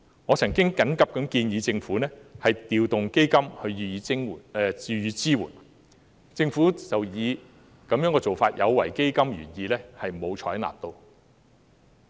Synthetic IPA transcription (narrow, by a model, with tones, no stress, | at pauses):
ŋɔː˨˧t͡sʰɐ˨˩ŋkɪ˥ŋkɐ˨˥nkɐ˨p̚kɐ˨˥mkiː˧njiː˨˧t͡sɪ˧ŋfuː˨˥nɛː˥hɐ˨jt̪iː˨wt̪ʊ˨ŋke˥jkɐ˥mhɵ˧ɥyː˨˧iː˧ɪ˥ŋ˨˩˧yː˨˧jyː˨˧t͡siː˥wṵː˨˩n | t͡sɪ˧ŋfuː˨˥t͡sɐ˨wjiː˨˧ | kɐ˨˥mjœː˨˥ŋkɔː˧t͡so˨˩wfaː˧t̚jʔɐ̰˨˧wwɐ̰˨˩jke˥jkɐ˥mɥyː˨˩njiː˨˧lɛː˥hɐ˨jmo˨˧wt͡ʃʰɔː˨˥na̰ː˨p̚t̪o˧w